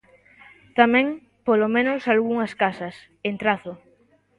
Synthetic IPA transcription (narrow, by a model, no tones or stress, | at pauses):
t̪amɛ̃ŋ | polomẽnosalɣuŋɐskasɐs | ent̪ɾaθʊ